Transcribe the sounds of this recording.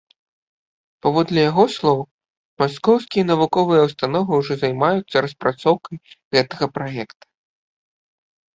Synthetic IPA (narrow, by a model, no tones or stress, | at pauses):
pavɔd̪lʲɐjaɣɔslˠɔw | maskɔwskʲijɐnɐvukɔvɨjɐwst̪anɔvɨuʐɔzajmajut̪sːɐɾɐspɾat̪sɔwkɐjɣɛt̪ɐɣɐpɾajɛkt̪ɐ̥